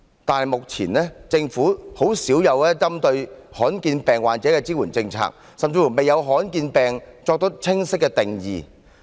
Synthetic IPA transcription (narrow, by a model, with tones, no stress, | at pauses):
t̪aː˨nhɐ˨jmʊ˨k̚t͡sʰiː˨˩nlɛː˥t͡sɪ˧ŋfuː˨˥ho˨˥wsiː˨˥wjɐ˨˧wɛː˥t͡sɐ˥mt̪ɵ˧ɥhɔː˨˥nkiː˧npɛː˨ŋwaː˨nt͡sɛː˨˥kɛː˧t͡siː˥wuː˨˩nt͡sɪ˧ŋt͡sʰa̰ː˧˥k̚ | sɐ˨mt͡si˧fu˨˩me˨jɐ˨˧wɦɔː˨˥nkiː˧npɛː˨˩ŋt͡sɔː˧k̚t̪o˥t͡sʰɪ˥ŋsɪ˥kːɛː˧t̪ɪ˨˩ŋjiː˨˩